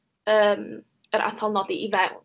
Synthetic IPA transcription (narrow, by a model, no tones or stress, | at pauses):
əːm | əɾʔa̰tʰɔlˠnɔdiʔivɛwn